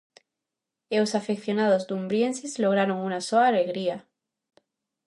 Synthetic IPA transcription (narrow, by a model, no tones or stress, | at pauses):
ewsafekθjo̞nað̞o̞zd̪umbɾje̞nsezloɣ̞ɾaɾo̞ŋunasoaːleɣɾia